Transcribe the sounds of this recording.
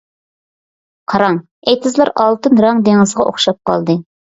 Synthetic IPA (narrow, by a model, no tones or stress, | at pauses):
qʰɑɾɑŋ | ejt̪ʰɪzlˠɑɾɑlˠt̪ɨnɾɑŋd̪eŋɨzʁɑo̰χʃɑp̚qɑ̰lˠd̪ɨ